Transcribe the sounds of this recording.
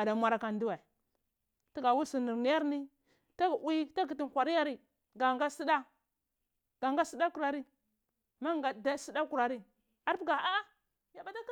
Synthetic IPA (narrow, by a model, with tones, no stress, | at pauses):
a˨da˨mʷa˨ɾa˨ka˨ndu˦wa˨ | ti˦ɡa˨wi˦si˨ni˨ɾni˦ja˦ɾni˦ | ta˦˨wi˦ta˦ɡi˨ti˨n˨kʷa˨ɾi˦ja˦ɾi˦ | ɡa˨ŋɡa˦si˦da˦ | ɡ̥a˨ŋɡa˦si˦da˦ku˨ɾa˨ɾi˦ | ma˦ŋɡa˨da˦si˦da˦ku˨ɾa˨ɾi˦ | a˨ɾɡa˨a˦ | ja˨ba˨ta˦k